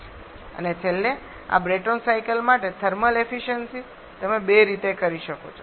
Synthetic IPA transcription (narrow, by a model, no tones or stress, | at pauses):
ə̰net͡ʃʰelːe | a̰bɾeʈonsaikəlmaʈet̪ʰəɾməlefiʃənsi | t̪əmebeɾit̪ekəɾiʃəko̰t͡ʃʰo